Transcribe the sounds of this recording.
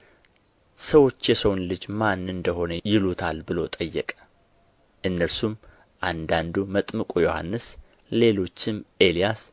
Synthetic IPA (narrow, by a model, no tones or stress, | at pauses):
səwo̞t͡ʃːjɛsəwnlɨd͡ʒmanːɨnd̪əɦo̞nəjɪlut̪ʰalbɨlo̞t̪ʼəjːɛkʼə̥ | ʔɨnːəɾsum | ʔand̪and̪umət̪ʼmɨkʼujo̞ha̰nːɨs | le̞lo̞t͡ʃːɪmʔe̞lijas